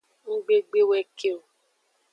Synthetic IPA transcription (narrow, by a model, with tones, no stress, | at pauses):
ŋ̩˦ɡ͡be˦ɡ͡be˦wɛ˦ke˦o˨